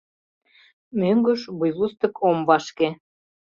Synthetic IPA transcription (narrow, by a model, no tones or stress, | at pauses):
møŋɡə̆ʃβujlust̪ə̆kʰomβɑʃke